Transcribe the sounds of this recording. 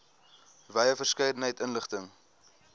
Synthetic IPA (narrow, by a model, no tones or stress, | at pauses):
vɛjəfərskəjdən̩ɦəjtənləχtəŋ